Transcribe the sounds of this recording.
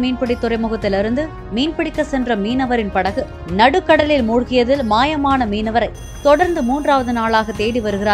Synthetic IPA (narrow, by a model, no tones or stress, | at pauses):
miːnpɪɽɪt̪ːʊrɐɪmʊɣɐt̪ːɪlɪɾɯnd̪ɯ | miːnpɪɽɪkːɐsɛndrɐmiːnɐʋɐɾɪnpɐɽɐɣɯ | nɐɽɯkːɐɽɐlɪlmuːɻɣɪjɐðɪlmaːjɐmaːnɐmiːnɐʋɐɾɐɪ | t̪ɔɽɐɾnd̪ɯmuːndraːʋɐðɯnaːɭaːɣɐt̪eːɽiʋɐɾɯɣɪɾaː